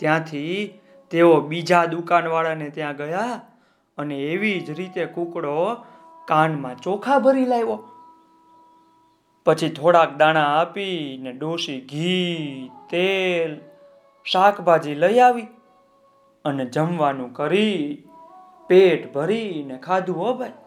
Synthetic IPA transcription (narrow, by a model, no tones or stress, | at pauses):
t̪jãt̪ʰi | t̪eobid͡ʒad̪ukanʋaɭanet̪jãɡəja | əneːʋid͡ʒɾit̪ekũkɽo | kanmãt͡ʃokʰabʱəɾilajʋo | pət͡ʃʰit̪ʰoɽak̚d̪aɽ̃ãapineɖoʃiɡʱi | t̪el | ʃakʰbʱad͡ʒiləiaʋi | əned͡ʒəmʋanũkəɾi | peʈbʱəɾinekʰad̪ʱũəbʱaj